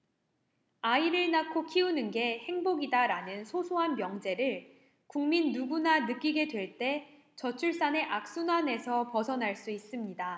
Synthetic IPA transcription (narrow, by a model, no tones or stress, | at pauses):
aiɾɯɭnakʰokʰiunɯnɡe̞he̞ŋboɡidaɾanɯnsʰosʰoɦanmjʌŋd͡ʑe̞ɾɯɭ | kuŋminːuɡunanɯk͈iɡe̞dwe̞ɭt͈e̞ | t͡ɕʌt͡ɕʰuɭs͈ane̞ʔak̚s͈unwane̞sʰʌpʌsʰʌnɦaɭs͈uis͈ɯmɲida